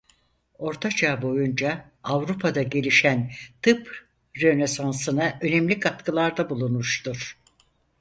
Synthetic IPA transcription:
o̞ɾt̪ʰat͡ʃʰaːbo̞jund͡ʒaː | vɾupʰad̪aɟe̞lʲiʃænt̪ʰɯp | ɾenesansɯnaʔø̞nemlʲikʰat̪kʰɯlˠaɾd̪abulˠunmuʃt̪uɾ̥

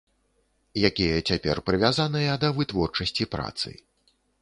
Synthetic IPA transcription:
jakʲijɐt͡sʲapʲɛ̰rpɾɨvʲazanɨjɐd̪ɐvɨt̪vɔrt͡ʂɐsʲt͡sʲipɾa̰t̪sɨ̰

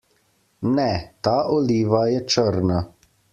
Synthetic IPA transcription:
nɛt̪aːʔɔliːʋajɛt͡ʃəɾna

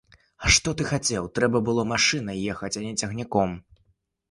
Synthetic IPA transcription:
ɐʂt̪ɔt̪ɨxat͡sʲɛwt̪ɾɛbɐbɨlˠɔmaʂɨnɐjɛxɐt͡sʲɐnʲɛt͡sʲɐɣnʲakɔm

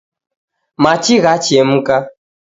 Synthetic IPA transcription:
mat͡ʃiɣat͡ʃɛm̩ka

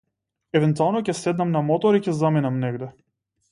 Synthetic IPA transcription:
ɛvɛnt̪ualˠnɔcʲɛsɛd̪namnamɔt̪ɔɾicʲɛzaminamnɛɡd̪ɛ

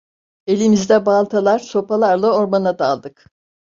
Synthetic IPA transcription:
e̞lʲimizd̪ɛbalˠt̪ʰalˠaɾ̥so̞pʰalˠaɾlˠao̞ɾmanad̪alˠd̪ɯk

